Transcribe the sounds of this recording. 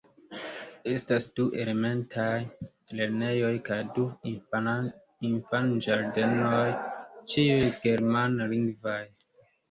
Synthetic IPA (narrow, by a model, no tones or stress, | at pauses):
e̞stasd̥uʔe̞le̞me̞ntʰaj | le̞ɾne̞jo̞jkajdu | infand͡ʒaɾde̞nojt͡ʃiujɡ̥e̞ɾmanliŋɡvaj